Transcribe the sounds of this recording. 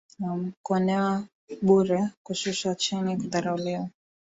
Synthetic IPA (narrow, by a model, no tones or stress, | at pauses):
nam̩kuɔnɛwa | ɓuɾɛkuʃuʃat͡ʃinikut̪aɾauliwa